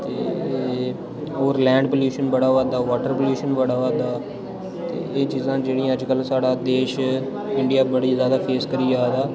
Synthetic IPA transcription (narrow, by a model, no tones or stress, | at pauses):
t̪eː | oːɾlɛ̃ːɳɖpoːljuːʃənbəɽaːʋad̪aːʋaːʈəɾpoːljuːʃənbəɽaːʋaːd̪aː | t̪ḛːeːt͡ʃiːzãːd͡ʒeːɽĩːəd͡ʒkəlsaːɽaːd̪eːʃ | ɪɳɖijaːbəɽiːzjaːd̪aːpʰeːskəɾiːaːd̪aː